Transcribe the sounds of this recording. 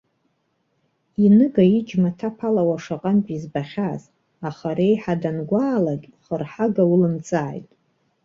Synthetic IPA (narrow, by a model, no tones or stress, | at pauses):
inɨɡaid͡ʒmatʰapʰalawaʂaqʼanpʼizbaχʲaz | aχaɾejħadanɡʷaːlakʲʼχərħaɡawulɨnt͡sʼa̰ːjtʼ